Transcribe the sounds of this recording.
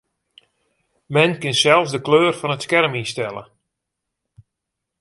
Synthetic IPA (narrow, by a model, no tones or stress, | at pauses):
mɛnkɪnsɛlˠfsdəkløːrfɔnətskɛrminstɛlˠə̰